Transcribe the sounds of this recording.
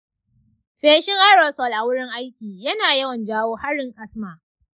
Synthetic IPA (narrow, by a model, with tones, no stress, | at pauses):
ɸeː˦ʃɪ˦ŋʔa˦ɽɔ˨sɔ˨lʔa˨wʊ˦ɽɪ˦ŋʔa˦jkʲiː˨jɐ˦naː˨jɐ˦wɐ˨nd͡ʒaː˦woː˦ha˦ɽɪ˨ŋʔa˦sma˨ʔ